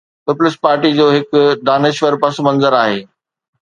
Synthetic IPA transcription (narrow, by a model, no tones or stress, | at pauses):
pɪpʊlɪspaːɾʈid͡ʑoːɦɪkɖaːneːʃʋəɾpɐsmɐ̃nzəɾaːɦeː